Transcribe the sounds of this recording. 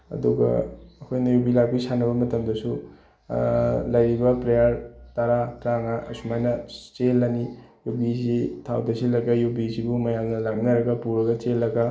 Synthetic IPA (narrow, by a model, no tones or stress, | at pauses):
ɐ̰duɡɐ̰ɐkʰojnɐjubilak̚bisanɐbɐmɐtɐmdɐsu | lɐjɾibɐpɾejaɾtɐɾatɾaŋɐʔɐ̰sumajnɐt͡ʃelːɐnijubizitʰa̰wdɐsilɐɡɐjubisibumɐjamnɐlak̚nɐɾɐɡɐpuɾɐɡɐt͡ʃelːɐɡɐ